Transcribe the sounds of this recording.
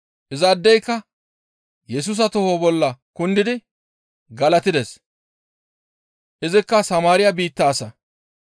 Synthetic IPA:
ʔɪzaːd̪ːɛjkːɐ | jɛs̬uːs̬ɐt̪ɔhoːbɔlːɐkʊnd̪ɪd̪ɪ | ɡɐlɐt̪ɪd̪ɛs | ʔɪzɪkːɐsɐmaːɾɪjɐbiːt̪ːaːsɐ

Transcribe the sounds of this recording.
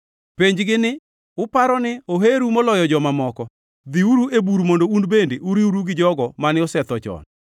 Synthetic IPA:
peɲd͡ʒɡɪnɪ | ʊpaɾɔnɪoɦeɾumɔlɔjɔd͡ʒɔmamɔkɔ | d̪iuɾuebuɾmondounbendeʔuɾiuɾuɡɪd͡ʒɔɡɔmanɪɔsɛt̪ɔt͡ʃɔ̰n

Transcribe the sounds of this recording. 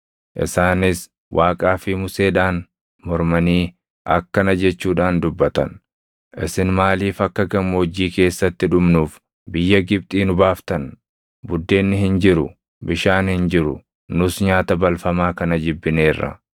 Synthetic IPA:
ʔɪ̰saːnɪs | wʔaːkʼaːfɪmʊse̞ːᶑaːn | mɔɾmɐniː | ʔɐkːɐnɐd͡ʒɛt͡ʃːuːᶑaːnd̪ʊbːɐt̪ɐ̰n | ʔɪsɪnmaːliːfɐkːɐɡɐmːod͡ʒiːke̞ːsːɐt̪ːɪᶑʊmnuːf | bɪjːɐɡɪb̚t̪ʼiːnʊbaːft̪ɐn | bʊd̪ːe̞ːnːɪhɪnd͡ʒɪɾʊ̰ | bɪʃaːnhɪnd͡ʒɪɾʊ | nʊsɲaːt̪ɐbɐlfɐmaːkɐnɐd͡ʒɪbːɪne̞ːrːɐ̰

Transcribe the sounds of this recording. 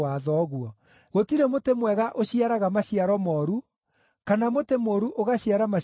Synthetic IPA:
aðɔɣuɔ | ɣotiɾemotemwɛɣaʔoɕiaɾaɣamaɕiaɾɔmɔɾu | kanamotemoːɾuʔoɣaɕiaɾama

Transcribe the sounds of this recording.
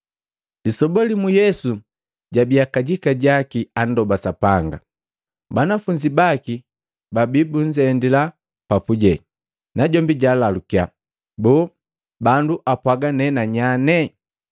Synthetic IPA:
lisɔbɔlimujɛsu | ɟabiakaɟikaɟakiandɔbasapaŋɡa̰ | banafuɲd͡ʒibaki | babibuɲd͡ʒɛndila | papuɟɛ | naɟɔmbiɟalalukia | bɔː | banduʔapwaɡanɛnaɲanɛ

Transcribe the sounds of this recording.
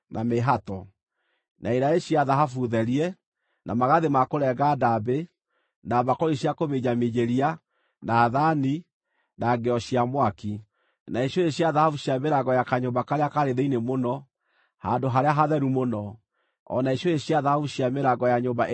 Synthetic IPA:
nʔameɦatɔ | nʔaiɾaeɕiaðaɦafuðɛɾiɛ | nʔamaɣaðemakoɾɛɣadabe | naβakɔɾiɕiakomeɲameɲeɾia | naːðani | naɡɛɔɕiamwaki | naeɕjɔeɕjaðahavuɕiameɾaɣɔjakaɲobakaɾeakaɾeðeinemonɔ | handoɦaɾeaɦaðɛɾumonɔ | ɔ̰naeɕjɔeɕiaðahafuɕiameɾaɣɔjaɲombaʔ

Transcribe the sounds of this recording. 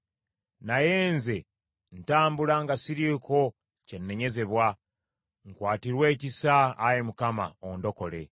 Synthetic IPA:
najeːnze̞ | n̩taːmbulaŋɡasiɾiko̞ | ce̞nːe̞ɲe̞ze̞βwa | ŋkwaːtiɾwe̞ːcisaːjemukama̰ondo̞ko̞le̞

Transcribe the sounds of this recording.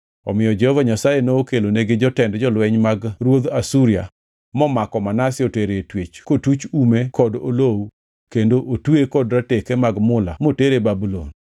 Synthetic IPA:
ɔ̰mɪjɔd͡ʒɛhɔvaɲasajenookeloneɡɪd͡ʒɔtɛndd͡ʒɔlwɛɲmaɡɾwod̪asuɾia̰ | mɔmakɔmanasɪoteɾeetwet͡ʃkotut͡ʃumekʰɔdo̰low | kendoʔotwekɔdɾatekemaɡmʊla̰moteɾebabulo̰n

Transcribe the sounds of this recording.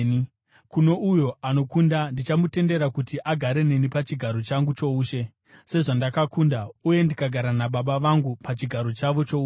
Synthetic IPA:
kuno̞ʔujo̞ʔano̞kundandit͡ʃamute̞nde̞ɾakutiʔaɡʱaɾe̞ne̞nipat͡ʃiɡʱaɾo̞t͡ʃaŋɡut͡ʃo̞uːʃe̞ | se̞ʐandakakundauje̞ndikaɡʱaɾanaɓaɓaʋaŋɡupat͡ʃiɡʱaɾo̞t͡ʃaʋo̞t͡ʃo̞uː

